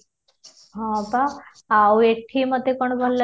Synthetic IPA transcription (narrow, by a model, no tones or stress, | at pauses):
ɦɔ̃pa | awekʰiːməd̪ʱːekoɳbʱolːə